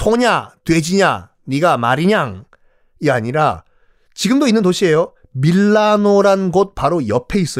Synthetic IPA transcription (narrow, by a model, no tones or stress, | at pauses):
tʰoɲatwe̞d͡ʑiɲa | ɲiɡama̰ɾiɲaŋ | iaɲiɾa | t͡ɕiɡɯmdoinːɯntoɕʰie̞jo | miɭːanoɾanɡot̚paɾojʌpʰe̞is͈ʌ